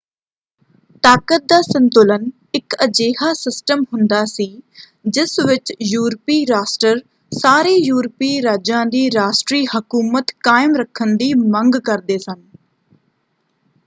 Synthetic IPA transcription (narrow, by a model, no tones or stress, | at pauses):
t̪aːkət̪̚d̪aːsə̃nt̪ʊlən | ɪkəd͡ʒeːhaːsɪsʈəmɦʊ̃nd̪aːsiː | d͡ʒɪsʋɪt͡ʃjuːɾpiːɾaːsʈəɾ | saːɾeːjuːɾpiːɾaːd͡ʒãːd̪iːɾaːsʈɾiːhəkuːmət̪kaːɪmɾəkʰːənd̪iːmə̃ŋɡkəɾd̪eːsən